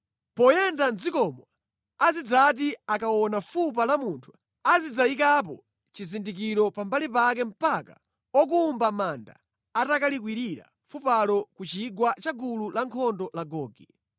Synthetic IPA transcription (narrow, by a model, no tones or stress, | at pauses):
pɔjɛndanzikɔmwa | azid͡zat̬iakawɔnafupalamuntʰu̥ | azid͡zaikap̬ɔ | t͡ʃizindik̬iɾɔpambalipak̬ɛm̩paka̰ | ɔk̬uːmbamanda̰ː | takalik̬wiɾiɾa̰ | fupalɔkut͡ʃiɡwat͡ʃaɡululaŋkʰɔndɔlaɡɔːɡɛ